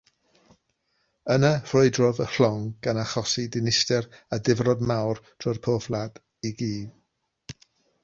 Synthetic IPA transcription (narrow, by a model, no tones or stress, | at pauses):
ənəfroɨdrɔvəɬɔŋɡ̥anaχɔsidɪnɪstɛradɪvrɔdmawrd̥ʰrʊrpʰoːflˠad | iɡiːð